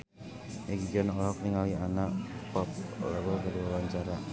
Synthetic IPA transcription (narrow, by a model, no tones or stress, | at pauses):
mɛɡid͡ʒɔnɔlɦɔk̚niŋawianapɔp̚laɡɔkadiwawaɲt͡ʃaɾa